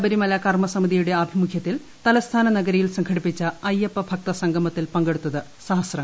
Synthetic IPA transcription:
bɐɾimɐlɐkɐrmɐsɐmiðijuɽeɐbʱimukʰjɐt̪ːil | t̪ɐlɐst̪ʰaːnɐnɐɡɐɾɐjilsɐŋkʰɐɽipːit͡ɕːɐɐjepːɐbʱɐk̚t̪ɐsɐŋɡʱɐmɐt̪ːilpɐŋɡe̞ɽut̪ːɐðɨ | sɐɦɐsrɐ

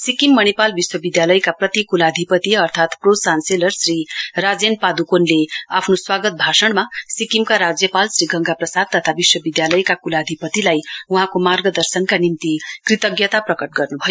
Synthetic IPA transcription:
sikimːʌñepalbiswʌbid̪jalʌjkaprʌt̪ikulad̪ʱipʌt̪iʌrt̪ʰat̪prosanselʌrsrirad͡zenpad̪ukonleapʰnoswaɡʌt̪̚bʱasʌɽmasikimkaɾad͡zjʌpalsɾiɡʱʌŋɡaprʌsad̪̚t̪ːʌt̪ʰabiswʌbid̪jalʌjkakulad̪ʱipʌt̪ilajuɦãkomarɡʌd̪ʌrsʌnkanimt̪ikrit̪ʌɡjʌt̪aprʌkʌʈ̚ɡʌrnubʱʌjo

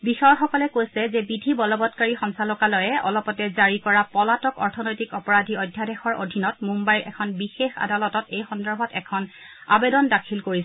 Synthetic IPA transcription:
bixɔjɔxɔkɔlɛkojsɛzɛbidʱibɔlɔbɔtkaɹixɔŋsalɔkalɔjɛɔ̰lɔpɔtɛzaɹikɔɹapɔlatɔkɔɹtʰɔnojtikɔpɔɹadʱiɔjdʱjadɛxɔɹo̰dʱinɔtmumbajɹʔɛ̰kʰɔnbixexa̰dalɔtɔtejxɔndɔɹbʱɔtɛkʰɔn | a̰bedɔndakʰilkoɹis

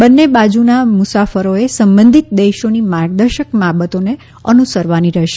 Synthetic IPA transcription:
bənːebad͡ʒunamʊsafəɾoesəmbə̃nd̪ʱit̪̚d̪eʃonimaɾɡ̚d̪əɾʃəkmabət̪one | ənusəɾʋaniɾəʃe

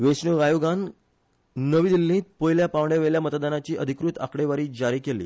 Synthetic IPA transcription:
ʋesɳəɡajoɡanː | əʋiːd̪ilːĩːt̪̚pojljapaʋɳjaʋeljamət̪d̪anat͡ɕiːʔəd̪ʱikɾut̪a̰kɽeʋaɾiːd͡ʑaɾiːkelḭː

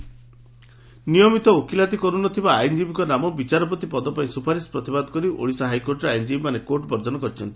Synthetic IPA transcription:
nijɔmit̪ɔokʰilat̪ikɔɾunɔt̪ʰibaːjnd͡ʒibikɔnamɔbit͡ʃaɾɔp̬ɔt̪ipɔd̪ɔpaĩsupʰaɾispɾɔt̪ibad̪ɔ̥kɔɾio̰ɽisaɦajkoɾʈɔɾeajnd͡ʒibimanekoɾʈɔbɔɾd͡ʒɔnɔkɔɾit͡ʃʰɔnt̪i̥

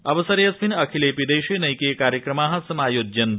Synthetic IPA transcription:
ɐʋɐsɐɾjɐspinɐkʰileːpid̪eːʃenɐjkeːkaːɾjəkɾɐmaːɦɐ̃sɐmaːjoːd͡ʒjɐn

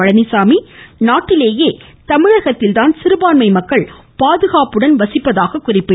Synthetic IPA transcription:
ɐɻɐnɪsaːminaːʈːɪleːjeːt̪ɐmɪɻɐɣɐt̪ːɪlt̪aːnsɪɾɯbaːnmɐɪmɐkːɐɭ | paːðɯɣaːpɯɽɐnʋɐsɪpːɐðaːɣɐkʊrɪpːɯ

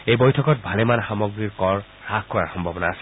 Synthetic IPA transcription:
ejbɔjtʰɔkɔt̪̚bʱalemanxamɔɡɾiɾkɔɾ | ɾakkːɔɾaɾxɔmbʱɔbɔnaːse̥

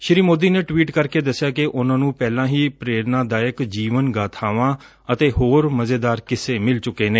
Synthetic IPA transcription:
ʃɪɾiːmoːd̪iːneːʈʋiːʈkəɾkeːd̪əsːɪjaːkɪʔʊnãːnũːpɛːlãːɦiːpɾeːɾnãːd̪aːjəkd͡ʒiːʋənɡaːt̪ʰaːʋãː | ət̪eːhoːɾməzeːd̪aːɾkɪseːmɪlt͡ʃʊkːeːneː

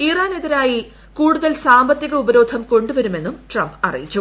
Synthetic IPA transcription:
iːraːne̞ðiɾaːji | kuːɽuðɐlsaːmbɐt̪ːiɣɐubɐɾo̞ːd̪ʱɐmko̞ɳɖuʋɐɾume̞nːumʈrɐmbɐ̰rḭjit͡ɕːu

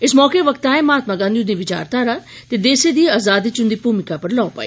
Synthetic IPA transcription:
ɪsmɔːkeʋəkt̪ãːɛ̃ːmaːt̪maːɡãːnd̪iud̪ĩːʋɪt͡ʃa̰ːɾt̪aːɾat̪eːd̪eːsed̪iːaːzaːd̪iːt͡ʃʊnd̪iːpuːmɪkaːpəɾlɔːpa̰ːiː

